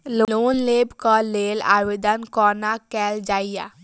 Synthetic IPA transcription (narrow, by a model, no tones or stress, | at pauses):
loloːnleːbkɔleːla̰ːʋed̪ankɔːnakɛːld͡ʒaːijaː